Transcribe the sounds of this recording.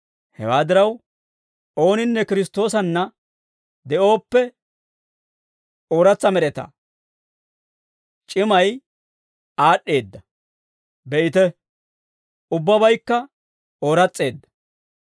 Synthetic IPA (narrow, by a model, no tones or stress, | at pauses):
hɛ̰waːd̪ɪɾɐw | o̞ːnɪnːɛkɪɾɪst̪o̞ːsɐnːɐ | d̪ɛʔo̞ːpːɛ | oːɾɐt͡sːɐmɛɾɛt̪ɐ̰ | t͡ʃʼɪmɐj | aːɗːe̞ːd̪ːɐ | bɛʔɪt̪ɛ | ʊbːɐbɐjkːɐ | oːɾɐt͡sʼːe̞ːd̪ːɐ̥